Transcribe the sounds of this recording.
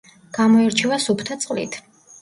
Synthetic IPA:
ɡ̥amɔɛɾt͡ʃʰɛvasupʰt̪ʰat̪sʼqʼlḭt̪ʰ

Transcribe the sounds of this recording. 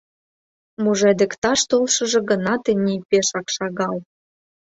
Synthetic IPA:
muʒed̪ĕkt̪ɑʃt̪olʃɤ̆ʒɤ̆ɡə̆nɑt̪enʲipʲeʃɑkʃɑɣɑl

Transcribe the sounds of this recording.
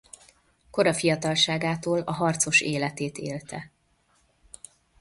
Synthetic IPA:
ko̞ɾɒfijɒt̪ɒlʃaːɡaːt̪oːlɒɦɒrt̪so̞ʃeːlɛt̪eːt̪eːlt̪ɛ

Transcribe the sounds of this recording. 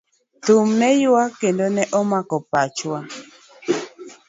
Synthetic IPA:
t̪umnɛjwakendonɛʔɔmakɔpat͡ʃwa

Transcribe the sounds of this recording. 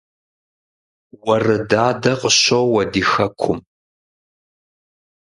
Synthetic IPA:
wɐrɨdaːdɐqʼəɕowwɐdiːxɐkʷʰʊm

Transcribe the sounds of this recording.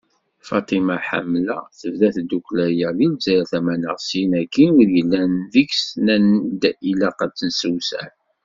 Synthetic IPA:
fɑt̪ˤimaħa̰mːlæθəvðæθd̪uklæjælilzæɾæθæmænə̰ʁsinækːinʊɾjəlːænðiksnænd̪ilæqæt͡sːənsəwsæ̰n

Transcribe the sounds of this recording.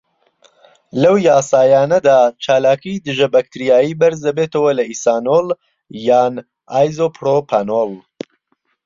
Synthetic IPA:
lɐwjaːsaːjaːnɐd̪aːt͡ʃʰaːlaːkid̪ɨʒɐbak̚t̪ʰɨɾijaːjiːbɐɾzd̪ɐbeːt̪ʰɐwɐlɐisaːnoːl | jaːn | aːjzoːpʰɾopʰanol

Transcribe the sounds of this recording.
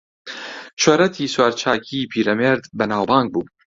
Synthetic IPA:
t͡ʃʰoɾɐt̪ʰiːswaːɾt͡ʃʰaːkʰipʰiːɾɐmeːɾd̪bɐnaːwbɑːŋɡ̚buː

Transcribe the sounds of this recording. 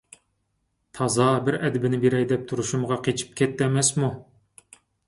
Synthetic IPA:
t̪ʰɑzɑbɪɾɛd̪ɪbɪnɪbeɾɛjd̪ɛp̚t̪ʰuɾuʃumʁɑqʰet͡ʃʰi̥p̚kʲʰɛt̪ːɛmɛsmu

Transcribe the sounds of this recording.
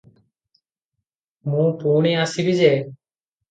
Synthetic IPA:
mũːpuːɳiasibid͡ʒe

